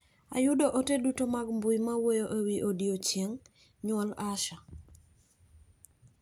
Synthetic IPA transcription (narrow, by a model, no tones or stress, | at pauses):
a̰judoʔotedutomaɡmbʊjmawojoʔewiʔodiot͡ʃjeŋ | ɲwɔlaʃa